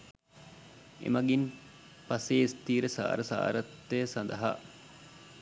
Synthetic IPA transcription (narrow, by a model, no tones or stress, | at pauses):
ḛmɐɡin | paseːist̪iːɾəsa̰ːɾəsa̰ːɾɐt̪ːesɐnd̪ɐɦa̰